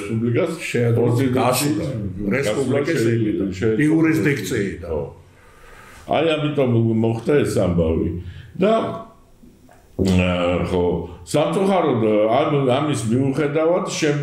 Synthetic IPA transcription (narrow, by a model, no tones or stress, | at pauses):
spʼublikʼasʃɛdpʼɔzit̪ʼ | ɾɛsapuiaɛʃʃɛiuɾisd̪ik̚ʰt̪sʼiaɔ | a̰jamit̪ʼɔmːɔχt̪aɛsambavḭd̪a | χɔsamt̪sʼuχaɾɔd̪aamismiuχɛd̪avad̪ʃɛm